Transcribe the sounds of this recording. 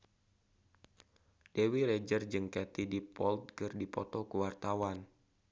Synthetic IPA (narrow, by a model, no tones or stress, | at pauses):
d̥ewiɾed͡ʒərd͡ʒɨŋkɛt̪idipɔlt̪̚kɨrdipɔt̪ɔkuwart̪awan